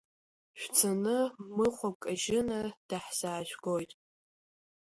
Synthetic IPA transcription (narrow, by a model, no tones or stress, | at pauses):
ʃᶣʷt͡sʰanɨmɨχʷakʼaʒɪnad̥aħsaːʒʷᶣɡojtʼ